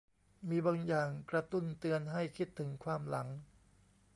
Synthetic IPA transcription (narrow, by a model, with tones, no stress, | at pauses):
miː˧baː˧ŋjaː˨˩ŋkɾa˧t̪u˥˩nt̪ɯ˧ənɦa˥˩jkʰi˦˥˩t̪ʰːɯ˩˦ŋkʰwaː˧mla˩˦ŋ